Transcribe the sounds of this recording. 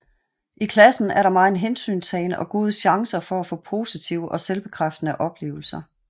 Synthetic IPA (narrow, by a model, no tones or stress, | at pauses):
ʔikʰlæsn̩æɐɾɑ̈mɑ̈ːe̝nɦensy̰ːnsɛɪnəʔɒ̽ɡ̥o̝ːð̞ˠəɕɑ̈ŋsɐfɒ̽æfɔ̰̽ːpʰo̝ːsit͡sʰiʊəʔɒ̽selb̥e̝kʰʁafd̥ənəʔɒ̽b̥le̝̰ːʊl̩sɐ